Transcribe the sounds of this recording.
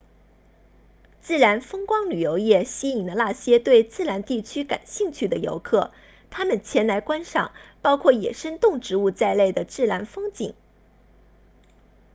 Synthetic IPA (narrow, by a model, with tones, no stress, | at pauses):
t͡sɹ̩˥˩ɻa˧˥nfɤ˥ŋkwɑ˥ŋly˨˩jo˧˥ʊjɛ˥˩ɕi˥i˨˩ŋd̪ə˧˦la˥˩ɕjɛ˥t̪we˥˧ɪt͡sɹ̩˥˩la˧˥nt̪i˥˩t͡ɕʰy˥ka̰˨˩nɕi˥˧ŋt͡ɕʰy˥˩d̪ə˩jo̰˧˥ʊkʰɤ˥˩ | t̪ʰa˥mə˨nt͡ɕʰjɛ˧˥nla˧˥ɪkwa˥nʂɑ̰˨˩˦ŋpɑ˥ʊkʰwɔ˥˩jɛ̰˨˩ʂə˥nt̪ʊ˥˩ŋʈ͡ʂɻ̩˧˥u˥˧t͡sa˥˧ɪle˥˩ɪd̪ə˩ʈ͡ʂɻ̩˥˩la˧˥nfɤ˥ŋt͡ɕḭ˨˩˦ŋ